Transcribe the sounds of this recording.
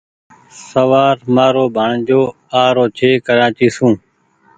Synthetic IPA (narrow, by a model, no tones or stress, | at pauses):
səʋaːɾmaːɾoːbʱəɳd͡ʒoː | aːɾoːt͡ʃʰeːkəɾaːt͡ʃiːsũː